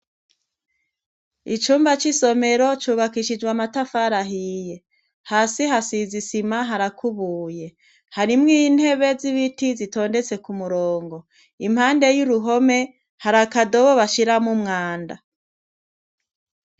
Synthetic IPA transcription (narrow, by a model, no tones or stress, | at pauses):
it͡ʃuːmbat͡ʃiso̞me̞ɾo̞t͡ʃuːβakiʃid͡ʒɡwamatafaɾaɦiːje̞ | haːsiɦasizisimaɦaɾakʰuβuːje̞ | haɾimŋin̥he̞βe̞ziβitizito̞ːnde̞t͡se̞kumuɾoːŋɡo̞ | imhaːnde̞juɾuɦo̞me̞ | haɾakado̞βoβaʃiɾamumŋaːnda̰